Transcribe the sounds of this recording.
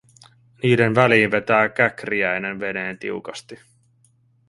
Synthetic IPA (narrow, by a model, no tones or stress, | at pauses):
niːde̞nʋæliːnʋe̞t̪æːkækriæjne̞nʋe̞ne̞ːnt̪ḭukɑst̪i